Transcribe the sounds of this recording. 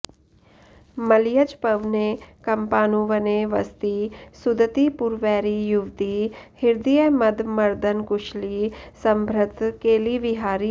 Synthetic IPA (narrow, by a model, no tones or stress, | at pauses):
məlijəd͡ʒpəʋneːkɐmpaːnuʋəneʋə̰st̪iːsʊd̪ət̪iːpuɾʋɛːɾijʊʋt̪ihɪɾd̪ijəməd̪mɐɾd̪ənkʊʃliːsəmbʱɾət̪keːliːʋɪɦaːɾi